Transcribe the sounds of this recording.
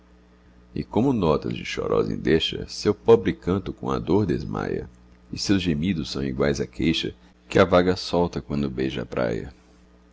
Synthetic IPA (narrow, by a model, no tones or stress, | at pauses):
ɪkõmʊnɔt̪ɐ̰zd͡ʒɪʃɔɾʔɔzḛ̃d̪eʃɐsewpɔbɾɪkɐ̃nt̪ʊkõɐd̪oɾd̪ezma̰jɐ̰ | ɪsewzʒemid̪ʊsːɐ̃w̃iɡwajzɐkʰejʃɐ | kɪavaɡɐsɔwt̪ɐkwɐ̃nd̪ʊbejʒɐapɾa̰jɐ̰